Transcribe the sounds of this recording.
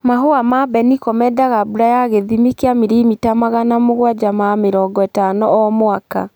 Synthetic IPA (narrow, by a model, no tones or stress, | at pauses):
maɦoamabɛnikɔmɛdaɣabuɾajaɣeðimikeamiɾimitamaɣanamoɣwad͡ʒamameɾɔːɡɔetanɔɔmwaka̰